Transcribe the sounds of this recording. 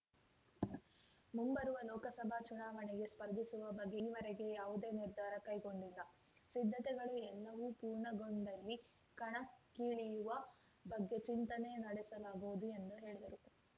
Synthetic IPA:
mumbɐɾuʋɐlɔːkɐsɐbʱat͡ʃunaːʋɐɳɛɡe̞spɐɾd̪ʱisuʋɐbɐɡːeːʋɐɾɛɡe̞jaːʋud̪e̞ːniɾd̪ʱaːɾɐkɐjɡo̞ɳɖilːɐ | sid̪ʱːɐt̪ɛɡɐɭuɛlːɐʋupuːɾɳɐɡo̞ɳɖɐlːi | kɐɳɐkːiːɭijuʋɐ | bɐɡːe̞t͡ʃint̪ɐne̞nɐɽɛsɐlaːɡuʋud̪ue̞nd̪uɦe̞ːɭid̪ɐɾu

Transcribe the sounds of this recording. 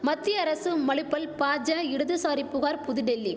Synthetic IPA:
mɐt̪ːɪjɐɐɾɐsɯmɐɭɪpːɐlpaːd͡ʒɐ̃ɪɽɯðɯsaːɾipːʊɣaːɾpʊðɯɖɛlːi

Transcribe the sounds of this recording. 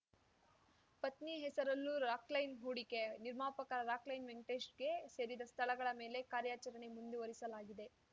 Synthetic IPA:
pɐt̪niɦɛsɐɾɐlːuɾaːklɐjnɦuːɽikeniɾmaːpɐkɐɐɾaːklɐjnʋeŋʈeːsʈɡe̞se̞ːɾid̪ɐst̪ʰɐlɐɡɐɭɐme̞ːle̞kaːɾjaːt͡ʃɐɾɐɳe̞mund̪eʋɐɾisɐlaːɡid̪e̞

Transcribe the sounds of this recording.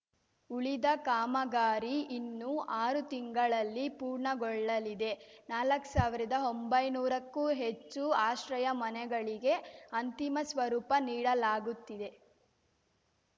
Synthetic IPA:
uɭid̪ɐkaːmɐɡaːɾiinːuʔaːɾut̪iŋɡɐɭɐlːipuːɾɳɐɡɔɭːɐlid̪e̞ | naːlɐkːsaːʋiɾɐd̪ɐo̞mbɐjnuːɾɐkːuːɦe̞t͡ʃːuaːʃɾɐjɐmɐnɛɡɐɭiɡe̞ɐnt̪imɐsʋɐɾuːpɐniːɽɐlaːɡut̪ːid̪e̞

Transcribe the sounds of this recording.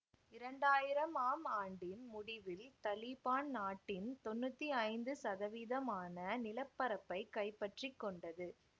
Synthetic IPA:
ɪɾɐɳɖaːjɪɾɐmaːmaːɳɖɪnmʊɽɪʋɪlt̪ɐlɪpaːnnaːʈːɪnt̪ɔnːɯt̪ːiɐɪnd̪ɯsɐðɐʋiðɐmaːnɐnɪlɐpːɐɾɐpːɐɪkːɐɪpːɐʈrɪkːɔɳɖɐðɯ

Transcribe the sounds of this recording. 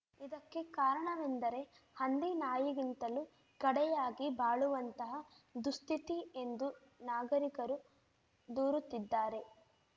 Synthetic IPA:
id̪ɐkːe̞kaːɾɐɳɐʋend̪ɐɾe̞ | hɐnd̪inaːjiɡint̪ɐlu | ɡɐɽɛjaːɡibaːɭuʋɐnt̪ɐɦɐ | d̪ust̪it̪ie̞nd̪u | naːɡɐɾikɐɾu | d̪uːɾut̪ːid̪ːaːɾe̞

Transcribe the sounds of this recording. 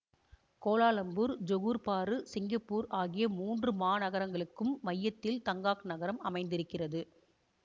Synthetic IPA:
koːlaːlɐmbuːɾd͡ʒɔɣuːɾpaːɾɯsɪŋɡɐpːuːɾaːɣɪjɐmuːndrɯmaːnɐɣɐɾɐŋɡɐɭɯkːɯmːɐjːɐt̪ːɪlt̪ɐŋɡaːknɐɣɐɾɐmɐmɐɪnd̪ɪɾɯkːɪrɐðɯ

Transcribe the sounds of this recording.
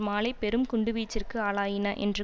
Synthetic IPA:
maːlɐɪpːɛɾɯmkʊɳɖɯʋiːt͡ʃːɪrkɯaːɭaːjɪnɐʔɛ̰ndrɯ

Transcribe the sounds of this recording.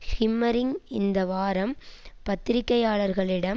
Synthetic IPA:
hɪmːɐɾɪŋɪnd̪ɐʋaːɾɐmpɐt̪ːɪɾɪkːɐjaːɭɐɾɣɐɭɪɽɐm

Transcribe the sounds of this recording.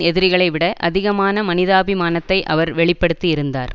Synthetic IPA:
ɛðɪɾɪɣɐɭɐɪʋɪɽɐʔʔɐðɪɣɐmaːnɐmɐnɪðaːbimaːnɐt̪ːɐɪʔɐʋɐɾʋɛɭɪpːɐɽɯt̪ːiɪɾɯnd̪a̰ːɾ

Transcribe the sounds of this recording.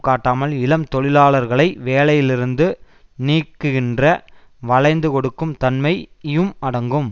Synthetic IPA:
kaːʈːaːmɐlɪlɐmt̪ɔɭɪlaːɭɐɾɣɐɭɐɪʋeːlɐjɪlɪɾɯnd̪ɯ | niːkːɯɣɪndrɐ | ʋɐɭɐɪnd̪ɯkɔɽɯkːɯmt̪ɐnmɐɪɪjɯmɐɽɐŋɡɯm

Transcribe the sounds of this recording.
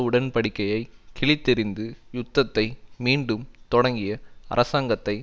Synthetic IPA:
ʊɽɐnpɐɽɪkːɐjɐɪkɛɭɪt̪ːɪɾɪnd̪ɯjʊt̪ːɐt̪ːɐɪmiːɳɖɯmt̪ɔɽɐŋɡɪjɐɐ̰ɾɐsaːŋɡɐt̪ːɐɪ

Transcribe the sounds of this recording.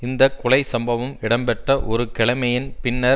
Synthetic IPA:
ɪnd̪ɐkʊlɐɪsɐmbɐʋɐmɪɽɐmbɛʈrɐʔɔɾɯkɛɭɐmɐjɪnpɪnːɐ

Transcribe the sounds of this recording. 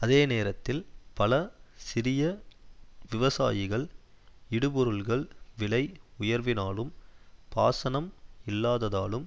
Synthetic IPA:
ɐðeːneːɾɐt̪ːɪlpɐlɐsɪɾɪjɐ | ʋɪʋɐsa̰ːjɪɣɐɭ | ɪɽɯpɔɾɯlɣɐɭʋɪlɐɪʊjɐɾʋɪnaːlɯmpaːsɐnɐmɪlːaːðɐðaːlɯm

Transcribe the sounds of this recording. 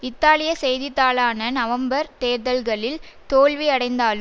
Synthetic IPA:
ɪt̪ːaːlɪjɐsɛjðɪt̪ːaːlaːnɐnɐʋɐmbɐɾt̪eːɾðɐlɣɐɭɪlt̪oːɭʋiɐɽɐɪnd̪aːlɯ

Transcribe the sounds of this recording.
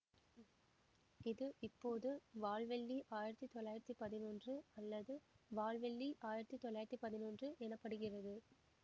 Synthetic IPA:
ɪðɯʔɪpːoːðɯʋaːɭʋɛɭːiʔaːjɪɾɐt̪ːit̪ɔlːaːjɪɾɐt̪ːipɐðɪnoːndrɯɐlːɐðɯʋaːɭʋɛɭːiʔaːjɪɾɐt̪ːit̪ɔlːaːjɪɾɐt̪ːipɐðɪnoːndrɯʔɛnɐpːɐɽɯɣɪrɐðɯ

